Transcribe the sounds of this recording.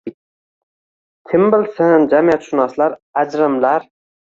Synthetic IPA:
t̪ʲʰɪmbɪlsɪnd͡ʒamijat̪ʃʊnɒslaɾad͡ʒɾɪmlaɾ

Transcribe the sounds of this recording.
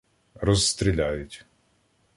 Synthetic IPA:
rɔzst̪ɾʲilʲajʊtʲ

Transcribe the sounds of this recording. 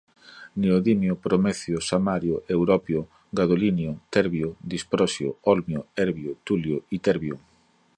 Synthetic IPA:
neoðimjʊpɾomɛθjʊsamaɾjʊʔewɾɔpjʊ | ɡaðolinjʊt̪ɛɾβjʊd̪ispɾɔsjʊ̰ɔlmjʊɛɾβjʊt̪uljʊit̪ɛɾβjʊ

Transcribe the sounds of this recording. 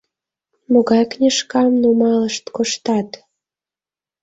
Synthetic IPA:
moɣɑjknʲeʃkɑmnumɑləʃt̪koʃt̪ɑt̪

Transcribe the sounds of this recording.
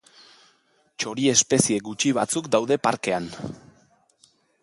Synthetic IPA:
t͡ʃo̞ɾie̞spe̞sie̞ɡut͡ʃiβ̞a̰t͡sukd̪awðe̞paɾke̞an

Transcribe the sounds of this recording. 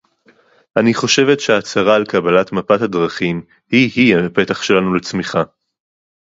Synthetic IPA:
ʔaniχo̞ʃe̞vetʃeaːt͡saʁaːlkabalatmapathadʁaχim | hihiape̞taχʃe̞lanulet͡smiχa

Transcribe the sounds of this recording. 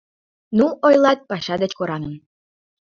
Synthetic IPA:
nuojlˠɑt̪̚pɑʃɑd̪ə̆t͡ɕkoɾɑŋə̆n

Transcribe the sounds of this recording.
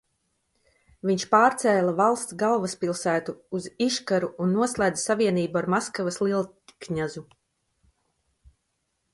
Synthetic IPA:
viɲʃpaːɾt̪sɛːlˠavalˠst̪sɡalˠvaspilˠsæːt̪uːziʃkaɾuːnːuɔslˠajd̪zasaviɛniːbuaɾmaskavɐslˠiɛlˠ | kɲazu

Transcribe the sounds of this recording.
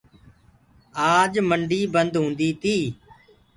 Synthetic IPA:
aːd͡ʒməɳɖiːbənd̪ɦõːnd̪iːt̪iː

